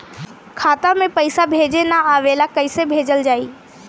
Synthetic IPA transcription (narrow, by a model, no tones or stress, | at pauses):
kʰaːt̪ãmẽpɐɪsabʱeːd͡ʒenaaːʋeːlakɐɪsebʱeːd͡ʒəld͡ʒaːiː